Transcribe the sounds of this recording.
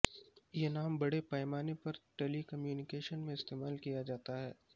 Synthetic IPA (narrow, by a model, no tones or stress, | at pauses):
jenaːmbɐɽepɛːɪmaːnepɐɾʈeːlikɐmjuːnɪkeːʃənmẽɪst̪eːmaːlkijad͡ʒaːt̪aɦɛː